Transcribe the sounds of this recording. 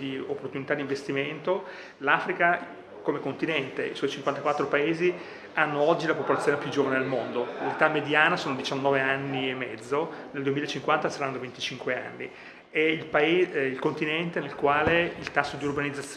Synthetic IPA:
d̪iopːort̪unit̪ad̪iɱvest̪iment̪o | lafɾika | komekont̪inɛnt̪ḛḭswɔjt͡ʃiŋkwant̪akwat̪ːɾopaeːzi | anːoɔd͡ʒːilapopolat̪sːjoːnepjud͡ʒoːvaned̪elmond̪olet̪amːed̪jaːnasoːnod̪it͡ʃanːɔːveanːiemːɛd̪zːoneld̪uemilaet͡ʃːiŋkwant̪asaɾanːd̪ovent̪i̥t͡ʃiŋkwea̰nːḭ | eilpaeilkont̪inɛnt̪enelkwaːleilt̪asːod̪iurbanid̪zat̪s

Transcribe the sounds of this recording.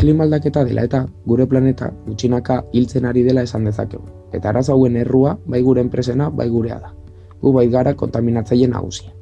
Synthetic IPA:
limald̪ake̞t̪aðe̞lʔa̰e̞t̪aɣuɾe̞plane̞t̪a̰ɣut͡ʃinakailt͡se̞naɾið̞e̞lae̞sand̪e̞sa̰ke̞ɣu | e̞t̪aːɾas̬oawe̞ne̞ruaβajɣuɾe̞ːmpɾe̞se̞naβa̰jɣuɾe̞a̰ða | ɣuβajt̪ɣaɾako̞nt̪aminat͡saje̞na̰ɣ̞ṵsi̥a

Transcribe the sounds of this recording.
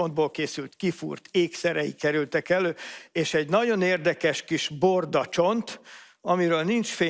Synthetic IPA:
ond̪̚boːlkeːsylt̪kifṵrt̪eːksɛɾɛjḭkɛɾylt̪ɛkɛløːeːʃɛɟnɒɟo̞neːrd̪ɛkɛʃkiʃbo̞rd̪ɒt͡ʃo̞nt̪ | ɒmiɾøːlnint͡ʃfeː

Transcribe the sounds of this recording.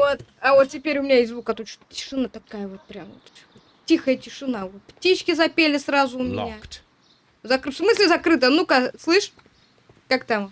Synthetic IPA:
vot̪ɐvot̪̚tʲɪpʲeɾʲʊmʲɪnʲaɪzʲzvukɐt̪ot͡ɕʊ̥tʲɪ̥ʂɨnat̪ɐkajəvo̞t̪̚pɾʲamvo̰t̪ | o | tʲixəjətʲɪʂɨnavot̪̚ptʲit͡ɕkʲɪzɐpʲelʲɪsɾazʊʊmʲɪnat̪ | zɐkfsmɨsʲlʲɪzɐkɾɨt̪̬ənukaslˠɨʂ | kakt̪am

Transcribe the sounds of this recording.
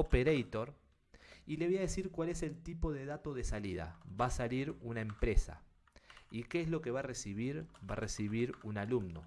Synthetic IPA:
opeɾejt̪o̞ɾ | ile̞βojaðe̞siɾkwale̞se̞lt̪ipo̞ðe̞ðat̪o̞ðe̞saliða̰βasaliɾunaempɾe̞sa̰ | ikeezlo̞ke̞βaresiβiɾba̰resiβiɾunalumno̰

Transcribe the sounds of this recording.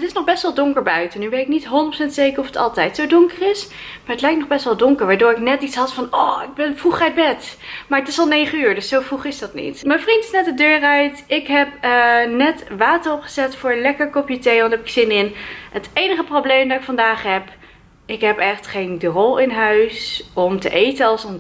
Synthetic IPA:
ətɪsnɔχbɛstʋɛlˠdʊŋkəɹbœɥtənyʋejtɪk̚nitɦʊɔndətprosɛntsejkərɔfətɑ̰lˠtɛjtsowdʊŋkərɪs | maːɹətlɛjktnɔχbɛstʋɛlˠdɔŋkəɹʋaːɹdʊːɹɪknɛtitsɦɑtfɑnɔːɪɡ̚bɛnvruχœɥd̚bɛtmaːɹətɪsɑlˠnejχənyːɹdɵsːowvruχɪsdɑtnḭtmɛjnvrintɪ̥snɛtdədøːrœɥtɪkɦɛpənɛtʋaːtərɔpχə̥zɛtfʊːɹəlɛkəɹkɔpjətejɑntɦɛpɪ̥ksɪnɪnətejnəχəprowblejmdɑtɪkfɑndaːχɦɛp | ɪkɦɛpɛχtχejndrɔlˠɪnɦœɥsɔmtə̰ʔejtənɑlˠsɔn

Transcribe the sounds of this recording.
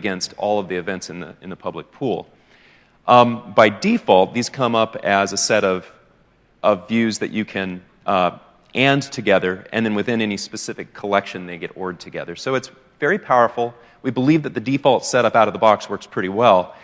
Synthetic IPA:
ɡɛ̃nstʰɔ̰lˠʌvðiɨvɛ̃ntsɨ̃nð̰ɨ̃nðəpʰʌblɨk̚pʰulˠ | baɪdifɔlˠt̪̚ðiz̥kʰʌ̃mʌpɨzɨsɛɾʌv̥ | ʔʌvːjʉzðɨ̰t͡ʃɨkʰɨ̃n | ʔɛ̃ntʰɨɡɛðə˞ɨ̰̃nðɨ̃nwɨθɪ̃nɛnispɨsɪfɨkʰəlɛkʃɨ̃nðeɪɡɛɾɔɹd̚tʰɨɡɛ̰ðə˞soʊɨts | vɛɹipʰaʊə˞fl̩ˠ | wibəlivðɨt̪̚ðɨdifɔlˠtsɛɾʌpaʊɾʌvðəbɑkswɜ˞kspʰɹ̥ɪɾiwɛlˠ

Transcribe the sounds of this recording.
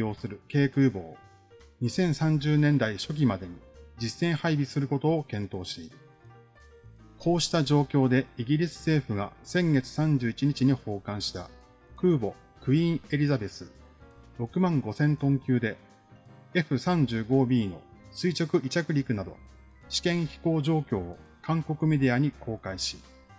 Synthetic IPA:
o̞ːsɨɾɯ̟ke̞ːkɯ̟ːbo̞ː | ɲ̟isẽ̞ɰ̃sãɲ̟d͡ʑɨːnẽ̞nd̪aiɕo̞k̬ʲimad̪e̞ɲ̟id͡ʑisẽ̞ɰ̃haibʲisɨɾɯ̟ko̞t̪o̞ːkẽ̞nt̪o̞ːɕi̥t̪e̞iɾɯ̟ | kʰo̞ːɕi̥t̪aʑo̞ːkʲo̞ːd̪e̞iɡʲiɾʲisɨ̥se̞ːɸɯ̟ɡa̰sẽ̞ŋɡe̞t͡sɨ̥sãɲ̟d͡ʑɨːit͡ɕiɲ̟it͡ɕiɲ̟iho̞ːkãɰ̃ɕi̥t̪a̰ | kɯ̟ːbo̞ | kɯ̟ĩɰ̃e̞ɾʲizabe̞sɨ | ɾo̞kɯ̟mãŋɡo̞sẽ̞nt̪õ̞ŋkʲɨːd̪e̞ | e̞ɸɯ̟sãɲ̟d͡ʑɨːɡo̞ːbʲiːno̞sɨit͡ɕo̞kɯ̟ʔit͡ɕakɯ̟ɾʲikɯ̟nad̪o̞̰ | ɕi̥kẽ̞ɰ̃çi̥ko̞ːʑo̞ːkʲo̞ː | kãŋko̞kɯ̟me̞d̪e̞aɲ̟ikʰo̞ːkaiɕi̥

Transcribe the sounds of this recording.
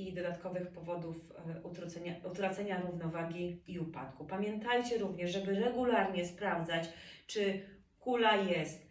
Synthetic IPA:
id̪ɔd̪at̪kɔvɘxpɔvɔd̪uf | ut̪ɾɔt̪sɛɲaut̪ɾat̪sɛɲaɾuvnɔvaɡʲiiupa̰t̪kupamʲjɛnt̪ajt͡ɕɛɾuvɲɛʐʐɛbɘɾɛɡulaɾɲɛspɾavd̪zat͡ɕt͡ʂɘ | kulajɛst̪

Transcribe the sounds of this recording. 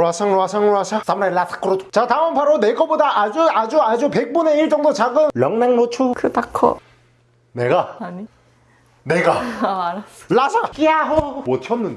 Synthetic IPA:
ɾwasʰaŋɾwasʰaŋɭwasʰas͈amɾalasʰḁk͈ɯɾott͡ɕat̪aɯmpaɾoneɡʌbodaʔad͡ʑuad͡ʑuad͡ʑupe̞k̚p͈une̞iɭt͡ɕ͈ʌŋdot͡ɕaɡɯnlʌŋnaŋnot͡ɕʰukɯpakʰo̰ | neɡaaɲi | neɡaaɾalasʰakiaɦomot͡ɕʰʌnːɯnd

